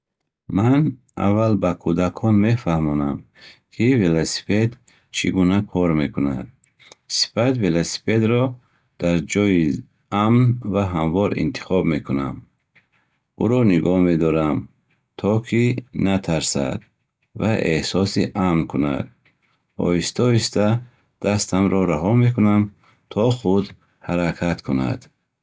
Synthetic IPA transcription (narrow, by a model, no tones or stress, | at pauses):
man | a̰vːalbakʰud̪akʰɔnme̞fahmɔnam | kʰivelosi̥ped̪ | t͡ʃʰiɡunakʰɔɾme̞kuna̰d̪̥̚ | si̥fat̪velosi̥ped̪ɾɔ | d̪̥aɾd͡ʒɔi | amnvaɦamvɔɾḭnt̪ʰi̥χɔbme̞kunam | uɾɔniɡɔhme̞d̪ɔɾam | t̪ʰɔkʰinat̪ʰaɾsa̰d̪ | vaʔehsɔsiʔamnkʰuna̰d̪ | ɔ̰ist̪ɔist̪a | d̪̥ast̪ʰamɾɔɾaɦɔme̞kunam | t̪ʰɔχud̪ | haɾakʰat̪kʰuna̰d̪̥